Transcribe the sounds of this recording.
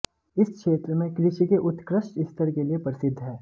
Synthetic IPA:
ɪskʃeːt̪ɾəmẽkɾɪʃikeʔʊt̪kɾəʃʈɪst̪ʰəɾkeliepəɾɪsɪd̪ʱːɦɛː

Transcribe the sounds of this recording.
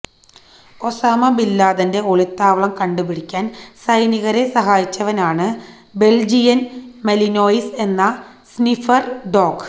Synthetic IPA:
o̞saːmɐbilːaːðɐnde̞o̞ɭit̪ːaːʋɐɭɐmkɐɳɖɨpiɽikʲːaːnsɐjniɣɐɾe̞sɐɦaːjit͡ɕːɐʋɐnaːɳɨ | be̞ld͡ʑijɐnmelinoːjise̞nːɐ | snifɐrɖo̞ːɡ

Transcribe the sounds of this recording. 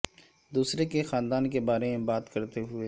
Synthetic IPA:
d̪uːsɾekexaːnd̪aːnkebaːɾemẽbaːt̪kɐɾt̪eɦʊeː

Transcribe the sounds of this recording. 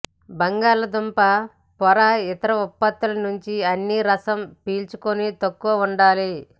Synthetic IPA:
bɐŋɡaːlɐd̪umpɐ | pɐɾaɪt̪ɐɾɐupːɐt̪ːɐlɐnuɲt͡ʃiɐnːiɾɐsɐmpiːlt͡ʃukunit̪ɐkːuʋɐuɳɖaːli

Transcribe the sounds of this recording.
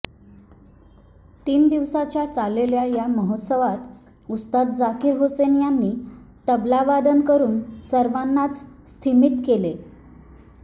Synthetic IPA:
t̪iːnd̪iʋsat͡ɕjat͡saleljajaməɦot̪səʋat̪ | ust̪at̪d͡zakiːɾɦosenjanːiːt̪əblaʋad̪ənkəɾuːnsəɾʋanːat͡sst̪ʰimit̪kele

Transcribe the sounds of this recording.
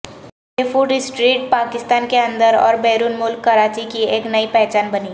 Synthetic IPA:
efuɖɪsʈɾiːʈpaːkɪst̪aːnkeɐ̃nd̪əɾɔ̰ːɾbɛːɾuːnmʊlkːɐɾaːt͡ʃikieːknɐipɛɦt͡ʃaːnbɐni

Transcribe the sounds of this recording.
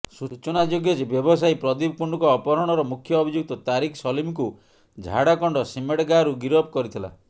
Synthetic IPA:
sut͡ʃɔnad͡ʒoɡjɔd͡ʒebjɔbɔsajpɾɔd̪ib̚kuɳɖukɔːpɔɾɔɽ̃ɔɾɔmukʰjɔːbʱid͡ʒuk̚t̪ɔt̪aɾikʰsɔlimku | d͡ʒʱa̰ɽakɔɳɖɔsimeʈɡaɾuɡiɾɔpkɔɾit̪ʰila̰

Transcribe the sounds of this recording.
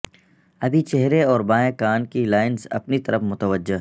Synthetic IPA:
ɐbʱit͡ʃeɦɾeɔːɾbaːẽkaːnkilaːɪnsɐ̰pnit̪ɐɾəfmʊt̪əʋəd͡ʒːe

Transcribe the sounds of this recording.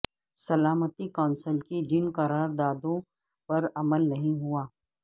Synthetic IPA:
sɐlaːmət̪ikaːnsəlkid͡ʒɪnkɐɾaːɾd̪aːd̪õ | pɐɾɐməlnɐɦĩɦuaː

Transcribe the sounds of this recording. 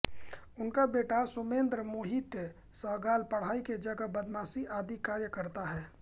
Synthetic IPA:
ʊnkabeːʈasʊmẽːnd̪ɾəmoːɦit̪jə | səːɡaːlpɐɽ̤aːiked͡ʒəɡəbɐd̪maːsiʔaːd̪ikaːɾjəkəɾt̪aɦɛː

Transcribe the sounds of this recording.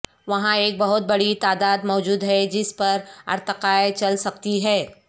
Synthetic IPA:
ʋɐɦãeːk̚bɐɦʊt̪̚bɐɽit̪aːd̪aːd̪mɔːd͡ʒuːd̪ɦɛd͡ʒɪspɐɾɐ̰ɾt̪əqaːet͡ʃɐlsɐk̚t̪iɦɛː

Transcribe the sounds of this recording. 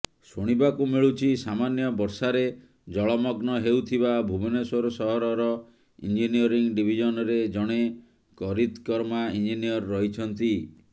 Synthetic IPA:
soɽ̃ibakumiɭut͡ʃʰisamanjɔbɔɾsaɾe | d͡ʒɔɭɔmɔɡnɔɦewt̪ʰibabʱubeneswɔɾɔsɔɦɔɾɔɾɔ | ḭnd͡ʒinijɔɾiŋɖibʱid͡ʒɔnɔɾed͡ʒɔɽ̃e | kɔɾit̪kɔɾmaind͡ʒinijɔɾːɔɦit͡ʃʰɔnt̪i

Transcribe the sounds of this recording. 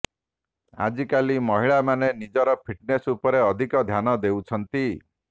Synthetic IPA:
a̰d͡ʒikalimɔɦiɭamanenid͡ʒɔɾɔpʰiʈnesupɔɾeɔd̪ʱikɔd̪ʱjanɔd̪euwt͡ʃʰɔnt̪i

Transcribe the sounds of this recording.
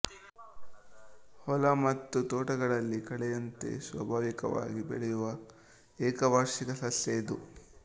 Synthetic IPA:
hɔlɐmɐt̪ːut̪oːʈɐɡɐɭɐlːikɐɭɛjɐnt̪e̞̰sʋɐ̰bʱaːʋikɐʋa̰ːɡibḛɭɛjuʋɐ | ɛːkɐbʱɐɾʂikɐsɐsjɐd̪u

